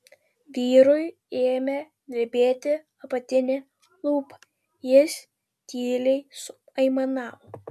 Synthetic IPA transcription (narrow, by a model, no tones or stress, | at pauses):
ʋʲiːɾʊj | eːmʲɛ | ɡ̪ʲɾʲɪbʲeːt̪ʲɪ | ɐpɐt̪ʲɪnʲɪ | lˠuːpɐ̥ | jɪsʲ | t̪ʲiːlʲɛɪsʊ | ɐɪmɐnɑːʋoː